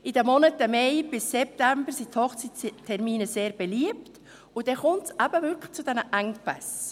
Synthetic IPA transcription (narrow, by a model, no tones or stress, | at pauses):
ʔɪd̥əmɔnətəmeɪb̥ɪsːɛp̚tæmbəɾsithɔχt͡sittʰːɛɾmiːnəseːɾb̥ɛliəpt | ʊd̥ɛχʊmtsæbəvʏɾkʰlt͡sudɛnəʔæŋpɛs